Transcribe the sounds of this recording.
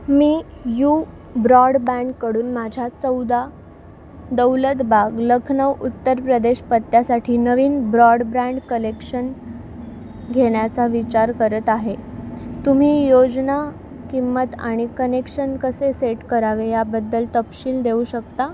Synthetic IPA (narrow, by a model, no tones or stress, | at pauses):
miː | ju | bɾɔɽbæ̃ɳɖkəɽuːnmad͡ʑʱat͡səwd̪a | d̪əwlət̪bʱaɡləkʰnəʋut̪ːəɾpɾəd̪eɕpət̪ːjasaʈʰiːnəʋiːnbɾɔɽbɾãɳɖkəlekɕən | ɡʱeɽjat͡saʋit͡ɕaɾkəɾət̪aɦet̪um̤iːjod͡zna | kimːət̪a̰ɽ̃ikənekɕənkəseseʈkəɾaʋejabəd̪ːəlt̪əpɕiːld̪euɕəkt̪a